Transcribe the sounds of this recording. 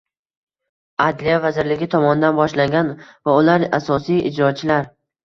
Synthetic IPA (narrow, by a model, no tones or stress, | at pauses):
ad̪lijavazɪɾlɪɡʲɪt̪ʰɒmɒnɪd̪anbɒʃlaŋɡʲanvaʊlaɾasɒsijʔɪ̰d͡ʒɾɒt͡ʃʰɪlaɾ